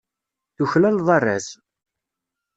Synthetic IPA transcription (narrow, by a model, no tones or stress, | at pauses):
θuçlælðˤɑrˤːæ̰s